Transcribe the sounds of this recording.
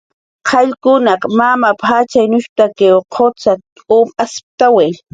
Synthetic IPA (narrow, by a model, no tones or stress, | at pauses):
qʰɑʎkʊnaqmamapat͡ʃajnʊʃt̪akewqʰot͡sat̪ | umasp̚t̪awej